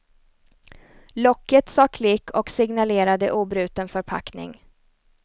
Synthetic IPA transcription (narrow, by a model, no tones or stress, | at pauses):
lɔkːət̪sɑːkʰlɪkʰːɔksɪɡnaleːɾad̪əʔuːbɾʉ̟ːt̪ənfœɾpʰa̰knɪ̰ŋ